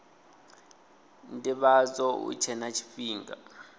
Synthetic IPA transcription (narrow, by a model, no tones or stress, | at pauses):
ntʼiɓazɔṵt͡ʃʰɛnat͡ʃʰi̥fiːŋɡa̰